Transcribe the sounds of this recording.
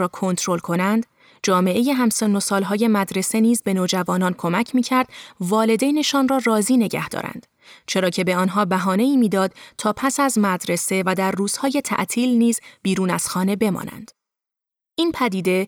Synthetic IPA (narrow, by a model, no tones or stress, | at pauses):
ɒːkʰo̞nt̪ʰɾo̞lkʰo̞nænd̪ | d͡ʒɒːme̞ʔe̞je̞ɦæmseno̞sɒːlɦɒːje̞mæd̪ɾe̞se̞niːzbe̞noːd͡ʒævɒːnɒːnkʰo̞mæcʰmiːcʰæɾd̪̥vɒːle̞d̪ejne̞ʃɒnrɒːrɒːziːne̞ɟæ̰hd̪̥ɒ̰ːɾæ̰nd̪̥ | t͡ʃʰe̞ɾɒːcʰe̞be̞ɒːnɦɒːbæɦɒːne̞iːmiːd̪ɒːd̪̥̚t̪ʰɒːpʰæsæzmæd̪ɾe̞se̞væd̪æɾːuːz̥hɒːje̞t̪ʰæ̰ʔt̪ʰiːlniːzb̥iːɾuːnæz̥xɒːne̞be̞mɒ̰ːnæ̰nd̪̥ | ʔiːnpʰæd̪iːd̪e̞